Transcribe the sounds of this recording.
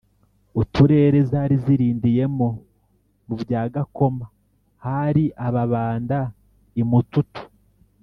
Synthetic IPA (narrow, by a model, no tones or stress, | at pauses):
utuɾe̞ːɾezaɾiziɾiːndije̞mo̞ | mubjaːɡako̞ma | haɾiʔaβaβaːnda | imututu̥